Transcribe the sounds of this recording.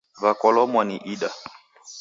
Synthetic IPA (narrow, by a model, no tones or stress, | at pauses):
βakɔlɔmwaniʔiɗa